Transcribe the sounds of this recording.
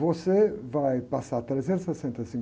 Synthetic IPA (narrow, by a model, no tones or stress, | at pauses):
vosevajpasat̪ɾezeɾsɐsent̪əsiŋ